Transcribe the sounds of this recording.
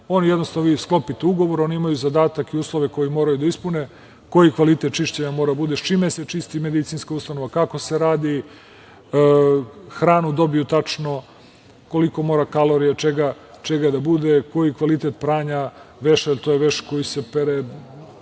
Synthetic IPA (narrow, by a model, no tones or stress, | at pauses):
o̞nijed̪nost̪anoʋiːsklo̞pit̪euɡo̞ʋoɾoniimajuzad̪aːt̪akiuːslˠoʋe̞ko̞jimo̞ːɾajud̪aispune | ko̞jikʋalit̪et̪̚t͡ʃiʃt͡ɕeɲamoɾad̪bud̪eʃt͡ʃimeset͡ʃist̪ime̞d̪it̪sinskauːst̪anoʋakako̞se̞ɾaːd̪i | xɾaːnud̪o̞bijut̪at͡ʂno̞ | ko̞liko̞mo̞ːɾakalo̞ɾijat͡ʃeɡa | t͡ʃeɡad̪abud̪eko̞jikʋalit̪et̪̚pɾaːɲaʋeʃaelt̪ojeʋeʃko̞jisepeɾe